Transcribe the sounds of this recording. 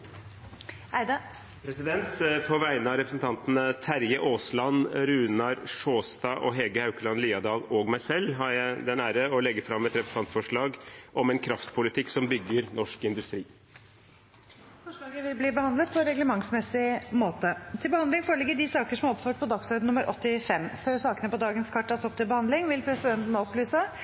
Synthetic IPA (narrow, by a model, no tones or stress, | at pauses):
æɪd̪ə | pʰɾɛsɪd̪ɛnt̪pʰɔʋæɪnəɑɾɛpɾəsn̩t̪ʰɑnt̪nət̪ʰæɾjəʔoːslɑnɾʉːnɑɾʂoːst̪ɑːʔɔɦɛɡəhɑʉkəlɑnliːɑd̪ɑːlɔɡmæɪsɛlːɦɑɾjæɪd̪ɛnæːɾəɔlɛɡːəfɾɑmɛt̪ɾɛpəsɑnt̪fɔʂɭɑːɡʔɔmɛnkʰɾɑft̪pʰʊlɪt̪ʰɪkːsɔmbʏɡːəɾnɔʂkɪnd̪ʉst̪ɾiː | fɔʂlɑːɡəʋɪlbliːbəhɑnd̪lət̪̚pʰɔɾɛɡləmɑŋsmɛsɪmoːt̪ət̪ʰɪlbəhɑnd̪lɪŋfoːɾɔlɪɡːəd̪ɪsɑːkəʂɔmɑɾɔpføːʈ̚pʰɔd̪ɑksœʏd̪nʊmːəɾʔɔ̰t̪ːɪfɛmːføːɾsɑːkənəpɔd̪ɑːɡənskʰɑʈʰːɑːsɔpt̪ʰɪlbəhɑnd̪lɪŋʋɪlpʰɾɛsɪd̪ɛnt̪nɔplyːsə